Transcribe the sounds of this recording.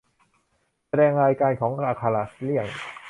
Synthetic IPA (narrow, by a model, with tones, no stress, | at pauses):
sa˧dɛː˧ŋɾaː˧jkaː˧nkʰɔː˩˦ŋʔaː˧˩kʰːa˧la˨˩sli˥˩əŋ